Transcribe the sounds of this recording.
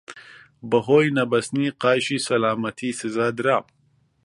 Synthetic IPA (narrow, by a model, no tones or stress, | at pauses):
bɐɦoːjnɐbɐsniqaːɕisɐlaːmɐt̪ʰisɪzaːd̪ɾaːm